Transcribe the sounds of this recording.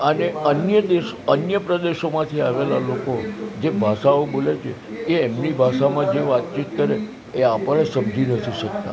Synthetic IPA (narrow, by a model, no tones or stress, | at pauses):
əneənjəd̪eʃənjəpɾəd̪eʃomãt̪ʰiaʋela̰lokod͡ʒebʱaʃaobolet͡ʃʰe | keːmnibʱaʃamãd͡ʒeʋat̪̚t͡ʃit̪kəɾeː | apəɽesəmd͡ʒinət̪ʰiʃək̚t̪a